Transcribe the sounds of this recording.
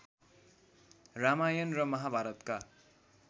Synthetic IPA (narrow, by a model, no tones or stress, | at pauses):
ramajʌnrʌmʌɦabʱaɾʌt̪ka